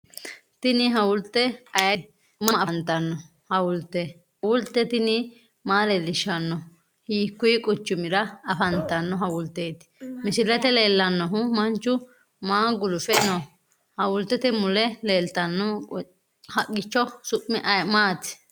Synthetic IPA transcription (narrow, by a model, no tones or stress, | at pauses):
t̪ɪnɪɦɐwʊlt̪ːɛɐjɐ | mɐnt̪ɐnːɔ | hɐwʊlt̪ɛ | ʊlt̪ːɛt̪ɪnɪ | maːlelːɪʃɐnːɔ | hiːkːʊjkʼʊt͡ʃːʊmɪɾɐɐfɐnt̪ɐnːɔɦɐwʊlt̪eːt̪ɪ̥mɪsɪlɛt̪ɛle̞ːlːɐnːɔɦʊmɐnt͡ʃːʊ | maːɡʊlʊfɛnɔ | hɐwʊlt̪ːɛt̪ɪmʊlɛle̞ːlt̪ɐnːɔ | hɐʔɡɪt͡ʃːɔsʊpːɪʔɐjmaːt̪ɪ̥